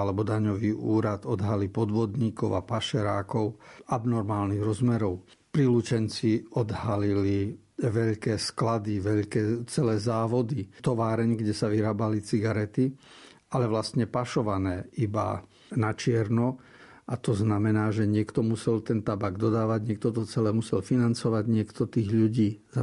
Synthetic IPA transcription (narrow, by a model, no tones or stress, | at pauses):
alɛbɔd̪aɲɔʋiːʔuːɾat̪ɔd̪ɦalipɔd̪ʋɔd̪ɲiːkɔʊapaʃɛɾaːkɔʊabnɔɾmaːlniɣɾɔzmɛɾɔʊ | pɾilut͡ʃɛnt͡siɔd̪halili | ʋɛʎkɛːsklad̪iʋɛʎkɛːt͡sɛlɛːzaːʋɔd̪it̪ɔʋaːɾɛɲɡɟɛsaʋiɾaːbalit͡siɡaɾɛt̪i | alɛʋlast̪ɲɛpaʃɔʋanɛːiba̰ | nat͡ʃɪɛɾnɔ | ʔat̪ɔznamɛnaːʒɛɲɪɛkt̪ɔmusɛlt̪ɛnt̪abaɡd̪ɔd̪aːʋaɟɲɪɛk̚t̪ɔt̪ɔt͡sɛlɛːmusɛlfinant͡sɔʋaɟɲɪɛkt̪ɔt̪iːɣʎuɟiːza